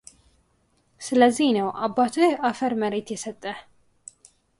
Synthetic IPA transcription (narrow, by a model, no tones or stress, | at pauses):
sɨləzːihnəwʔabːat̪ʰojɛʔafəɾməɾet̪jɛsət̪ʼːə